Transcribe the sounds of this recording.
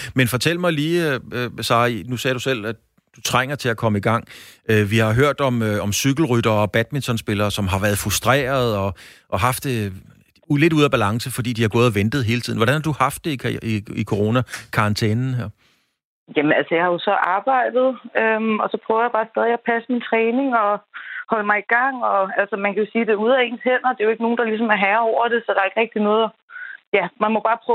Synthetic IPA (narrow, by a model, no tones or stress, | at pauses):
menfɒ̽t͡sʰel̰mɑ̈ɪliː | sɑ̰̈ːnusɛːɾ̥usel̰æ̥ | d̥ut͡sʰʁaŋ̰ɐt͡sʰe̝ækʰɒ̽məiɡ̥ɑ̈ŋ̰øʋihɑ̈ɦøɐ̰d̥ɒ̽møɒ̽msyɡ̥l̩ʁyɾ̥ɐːɒ̽b̥æd̥mint͡sʰɒ̽nsb̥e̝lɐːsɒ̽mɦɑ̈ʋæɐðˠfʁusd̥ʁɛ̰ːɐð̞̩ˠɒ̽ʔɒ̽ɦɑ̈fd̥e | le̝duðˠæb̥ælɑ̈ŋsəfɒ̽d̥ḭːd̥ihɑ̈ɡ̥ɔ̽ːð̩ˠɒʋend̥ð̩ˠɦe̝ːlət͡sʰið̰ˠnʋɒ̽ɾænhɑ̈d̥uhɑ̈fd̥ːe̝iikʰo̝ʁo̝ːnækʰɑ̈ʁɑ̈nt͡sʰeːnn̩ɦeɐ̰ | jæmənælsəjɑ̈hɑjo̝sɒ̽ʔɑ̈ːb̥ɑ̈ɪ̰d̥ð̞̩ˠømɒ̽sɒ̽pʰʁœʊɐjab̥ɑ̈ːsd̥ɛð̞ˠiæpʰæsəmint͡sʰʁɛːne̝ŋɒ̽hɒ̽lmɑ̈ɪiɡ̥ɑ̈ŋ̰ɒ̽ælsəmænkʰæjo̝siːd̥e̝uð̞̰ˠæe̝̰ːnshen̰ɐd̥e̝joe̝ɡ̥əno̝ːn̩d̥ɑ̈lis̬ɒ̽mæɐɦæɐɒʊ̰ɐɾ̥e̝sɒ̽d̥ɑ̈ɐe̝ɡ̥ʁɛɡ̥̚d̥inɔ̽ːðˠæ | jæmænmɒb̥ɑ̈ːpʰɔ